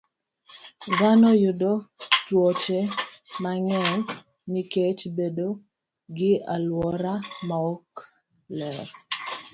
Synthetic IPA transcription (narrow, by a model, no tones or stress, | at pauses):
ɡanojʊdot͡ʃwɔt͡ʃemaŋɛɲ | niket͡ʃbedo | ɡɪalwɔɾamaɔk | lɛɾ